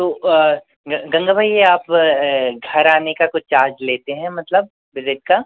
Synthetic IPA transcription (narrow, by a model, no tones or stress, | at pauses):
t̪oː | ɡɐ̃ŋɡabʱaːijeaːp | ɡʱɐɾaːnekakʊt͡ʃt͡ʃaːɾd͡ʒleːt̪eɦɛ̃mɐt̪ləb̚ | ʋɪzɪʈ̚ka